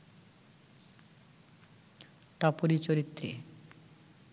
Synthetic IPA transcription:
ʈapoɾit͡ɕoɾit̪ːɾḛ

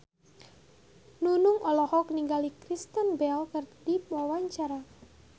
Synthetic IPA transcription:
nunʊŋʔɔlɔhɔkniŋɡalikɾist̪ənbɛlkərd̪iwawaɲt͡ʃaɾa

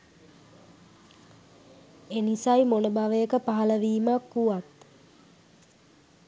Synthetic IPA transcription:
enisajmonəbaʋəjəkəpaɦaləʋiːmakːuʋat̪

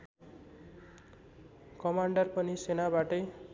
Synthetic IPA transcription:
kʌmaɳɖʌrpʌnisenabaʈʌj

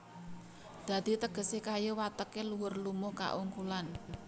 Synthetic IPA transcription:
d̪̥ä̤d̪̥it̪əɡ̥ə̤sekajowat̪əkeluwʊrlumʊhka̰ʔuŋkulan

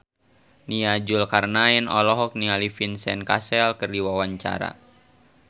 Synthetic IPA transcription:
niad͡ʒulkarnaɛnɔ̰lɔɦɔk̚nialifinsɛnkasɛlkɨrdiwawaɲt͡ʃa̰ɾa̰

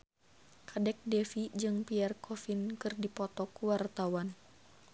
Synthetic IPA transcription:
kʰadɛk̚dɛfid͡ʒɨŋpiɛrkʰɔfinkɨrdipɔt̪ɔkwart̪awan

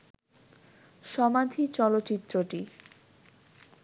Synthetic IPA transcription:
ʃɔmad̪ʱit͡ɕɔlotːɕit̪ːɾoʈi

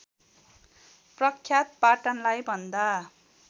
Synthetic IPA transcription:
prʌkʰːjat̪̚paʈʌnlajbʱʌnd̪a

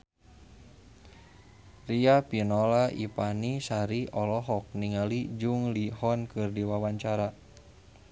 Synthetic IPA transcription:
riapinɔlaʔipanisaɾiɔlɔɦɔk̚niŋalid͡ʒuŋlihɔnkɨrdiwawaɲt͡ʃaɾa

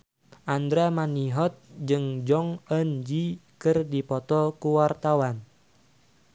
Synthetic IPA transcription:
ʔand̪ɾamaniɦɔt̪̚d͡ʒɨŋd͡ʒɔŋənd͡ʒikɨrdipɔt̪ɔkuwart̪awan

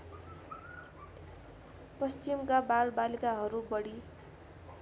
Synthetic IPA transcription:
pʌst͡ɕimkabalbalikaɦʌɾubʌɽi

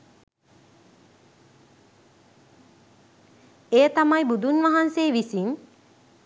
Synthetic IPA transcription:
ejət̪amajbud̪unʋaɦanseːʋisiŋ

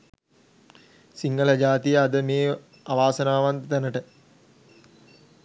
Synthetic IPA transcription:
siŋɡələd͡ʒaːt̪ijəad̪əmeː | aʋaːsənaːʋant̪t̪ænəʈə

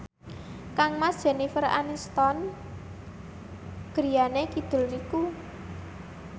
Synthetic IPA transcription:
kaŋmasdʒ̥ɛ̤nifəɾa̰nist̪ɔn | ɡ̥ɾijanekid̪̥ʊ̤lniku

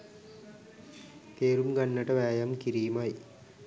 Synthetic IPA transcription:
t̪eːɾumɡanːəʈəʋæːjamkiɾiːmaj

